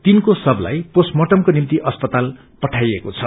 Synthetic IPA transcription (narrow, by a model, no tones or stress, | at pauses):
t̪inkosʌbla̰jposmʌʈʌmkonimt̪iʔʌspʌt̪al | pʌʈʰajekot͡sʰʌ